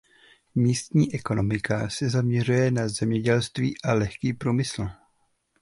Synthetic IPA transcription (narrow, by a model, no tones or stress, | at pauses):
miːst̪ɲiːʔɛko̞no̞mɪkʰasɛzamɲɛrujɛnazɛmɲɛɟɛlst̪viːʔalɛxkiːpɾuːmɪsl̩